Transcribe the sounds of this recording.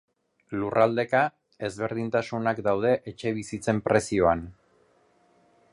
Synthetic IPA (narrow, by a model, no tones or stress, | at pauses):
lurald̪e̞ka | e̞zβe̞ɾð̞int̪asunakd̪awð̞e̞ʔet͡ʃe̞β̞isit͡se̞mpɾe̞sio̞an